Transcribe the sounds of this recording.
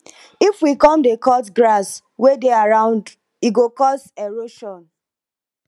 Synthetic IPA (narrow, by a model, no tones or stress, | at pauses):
ifwikɔ̃mdekɔtɡɾas | wedeaɾãʊ̃nd | iɡokɔsɛɹoʃɔ̃n